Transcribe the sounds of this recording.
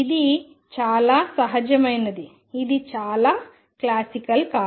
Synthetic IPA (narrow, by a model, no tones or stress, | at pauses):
id̪i | t͡ʃaːlasɐɦɐd͡ʒɐmɐjnːɐd̪i | id̪it͡ʃaːla | klaːsikɐlkaː